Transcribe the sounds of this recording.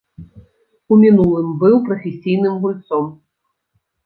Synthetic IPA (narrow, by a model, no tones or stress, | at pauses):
umʲinulˠɨmbɨwpɾɐfʲesʲijnɨmɣulʲt̪sɔm